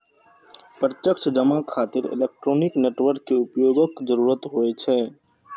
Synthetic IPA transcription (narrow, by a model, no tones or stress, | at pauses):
pɾət̪jəkt͡ʃʰd͡ʒəmakʰaːt̪ɪɾɪ̰lek̚ʈɾoːnɪkneːʈʋəɾkːeʊpjoːɡəkd͡ʒəɾuːɾət̪ɦoɛt͡ʃʰɛː